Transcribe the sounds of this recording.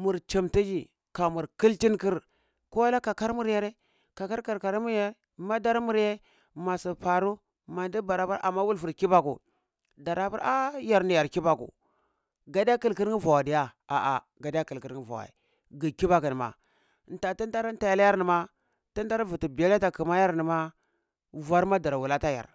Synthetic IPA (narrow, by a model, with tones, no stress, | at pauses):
mu˨ɾt͡ʃi˨mti˦d͡ʒi˨ | ka˨mu˨ɾki˦lti˦nki˦ɾ | ko˦wa˦la˦ka˨ka˦ɾmu˦ɾja˨ɾe˦ | ka˨ka˦ɾka˨ɾka˨ɾi˦mu˦ɾja˦e˦ma˦da˦ɾmu˦ɾje˦ | ma˨si˨pa˨ɾu˦ | ma˨n˦di˦ba˨ɾa˦ba˦ɾa̰˨mːa˦wu˦lvu˨ɾki˦ba˦kṵ˨ | da˨ɾa˦pu˦a˦ja˨ɾni˨ja˨ɾki˦ba˨kṵ˨ | ɡa˦da˦ki˦˨lki˦ɾi˦va˨wa˨di˨ja˦a˨ʔa̰˨ | ɡa˨di˦ja˦ki˨lki˦ɾi˦va̰˨wa̰˨ḭ˨ | ɡi˨ki˦ba˦ki˨n˨ma̰˨ | n˨ta˨ti˦n˦da˦ɾn˦ta˨ja˦lja˦ɾni˨ma˦ | ti˦n˦da˦ɾvu˨ti˨bi˨ja˦la˦ta˨ki˨ma˦ja˦ɾni˨ma˦ | va˦ɾma˦da˨ɾa˨wu˨la˦ta˦ja̰˨ɾ